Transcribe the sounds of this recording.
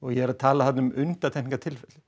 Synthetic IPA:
ɔɣjɛɛɾat̪ʰaːlahat̪nʏmʔʏnt̪at̪ʰɛnɪŋkat̪ʰɪlfɛlɪ

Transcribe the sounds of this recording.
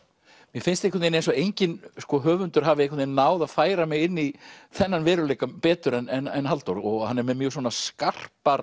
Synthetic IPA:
mjɛfɪnst̪ehkʰʏɾt̪ninejnsɔejɲcɪnskɔɦœːvʏnt̪ʏɾ̥ɦaːvɪehkʰvʏt̪inːaːwðaðfaːjɾamɪɣɪnːiθɛnːanvɛːɾʏlejkampɛːt̪ʏɾɛnɛnɛnɦalt̪oɾɔɣhanːɛɾmɛðmjœːs̬ɔːnaskar̥paɾ

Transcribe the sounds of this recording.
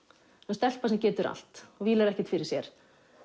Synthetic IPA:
ɛnst̪ɛl̥pasɛmcɛːt̪ʏɾa̰l̥t̪ɔɣviːlaɾɛhcɛ̥t̪fɪɾɪ̥sjɛɾ̥

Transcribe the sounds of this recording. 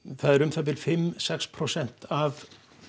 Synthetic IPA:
θaðɛɾʏmt̪ʰap̪̬ɪlfɪmsɛkspʰɾɔsɛn̥t̪av

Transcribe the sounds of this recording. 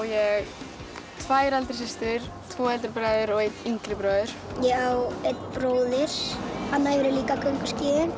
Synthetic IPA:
jɛɣ | t̪ʰvaːjɾalt̪ɪɾ̥s̬ɪst̪ʏɾ̥t̪ʰvɔːɛlt̪ɪɾpɾaːjðʏɾɔɣejt̪iŋkɾɪpɾœːðʏɾ̥jɛawejt̪̚pɾoːwðɪɾ̥hanːaɛvɪɾɪliːkakʰœŋkʏ̥scɪːðɪn

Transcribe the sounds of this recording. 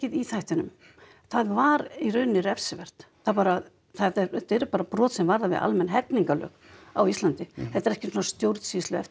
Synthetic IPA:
ɪðiθajht̪ɪnʏ̰m | θaðvaɾirœɥnɪrɛfsɪvɛr̥t̪ | θaðpaːɾa | θɛɛɾɛt̪ɛɾʏpaːɾapɾɔːt̪sɛmvaɾðavɪ̰ða̰lmɛnɦɛt̪niŋkalœ̰ːk | awist̪lant̪ɪθɛt̪ːɛɾɛhcɪsɔnast̪jowɾt̪sist̪lʏɛft̪

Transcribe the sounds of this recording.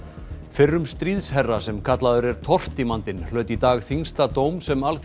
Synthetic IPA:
fɪrːʏmst̪ɾiːðshɛrːasɛmkʰat̪laðʏɾɛɾ̥t̪ʰɔr̥t̪imant̪ɪnlœɥt̪it̪aːɣθiŋst̪at̪oːwmsɛmalθ

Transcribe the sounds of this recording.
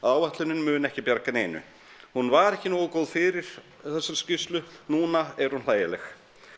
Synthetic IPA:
aːwvɛht̪lʏnɪnmʏːnɛhcɪpjaɾkaneːnʏ̰ | hunvaɾɛhcɪnoːwkoːwðfɪɾɪɾ̥ | θɛsːʏɾscɪfst̪lʏnuːnaɛɾ̥hunlaːjalɛx

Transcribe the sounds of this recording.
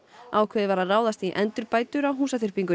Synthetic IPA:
awkʰvɛːðɪvaɾaraːwðast̪iʔɛnt̪ʏɾpaːjt̪ʏɾawɦuːsaθɪr̥piŋkʏ

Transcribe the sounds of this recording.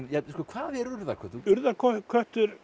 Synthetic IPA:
jaskɔːkʰvaːðɛɾʏɾða̰kʰɛht̪uʏɾðakʰɔkʰœht̪ʏɾ

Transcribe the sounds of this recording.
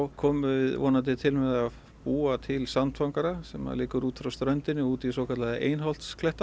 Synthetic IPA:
wkʰɔːmʏvɪðvɔ̰ːnant̪̬ɪt̪ʰɪlmɛðað | puːat̪ʰɪlsamnt̪fawŋkaɾasɛma̰ðlɪːkʏɾuːt̪fɾawst̪ɾœɥnt̪ɪnːɪuːt̪isɔːwkʰat̪laðɪʔeːjnɦɔl̥t̪skʰlɛht̪a

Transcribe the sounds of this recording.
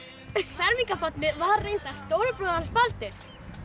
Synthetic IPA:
fɛɾmiŋkafat̪nɪvaɾrːejnt̪ast̪oːwɾʏpɾɔðaɾspalt̪ɪɾ̥s

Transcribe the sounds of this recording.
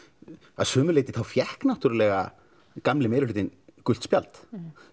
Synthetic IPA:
a̰ðsʏːmʏlejt̪ɪθawfjɛhknat̪yɾɪlɛːɣa̰ | kamlɪmeːðɾʏlʏːt̪ɪnkʏlt̪spja̰lt̪

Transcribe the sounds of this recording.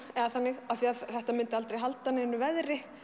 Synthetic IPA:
ɛɣaθanːɪɣaθiaθɛht̪amɪnt̪ɪalt̪ɾejɦalt̪anɪɪnːʏvɛðɾɪ

